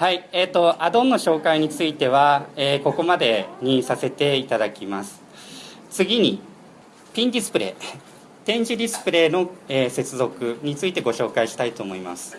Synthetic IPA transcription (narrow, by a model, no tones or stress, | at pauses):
haieːt̪o̞ʔad̪õ̞nːoɕo̞ːkaiɲ̟it͡sɨit̪e̞β̞aeːko̞ko̞mad̪e̞ɲ̟ĩsase̞t̪e̞it̪ad̪akʲimasɨ̥ | t͡sɨɡʲiɲ̟i | pʲĩnd̪ʲisɨ̥pɯ̟ɾe̞̰ː | t̪ẽ̞ɲ̟d͡ʑid̪ʲisɨ̥pɯ̟ɾe̞ːno̞eːse̞t͡sɨzo̞kɯ̟ɲ̟it͡sɨit̪e̞ɡo̞ɕo̞ːkaiɕi̥t̪ait̪o̞ːmo̞ima̰sɨ̥